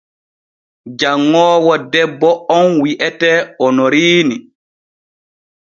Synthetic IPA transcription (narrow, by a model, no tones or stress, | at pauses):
d͡ʒaŋːɔːwɔdɛbːɔɔnwiʔɛtɛɔnɔɾiːni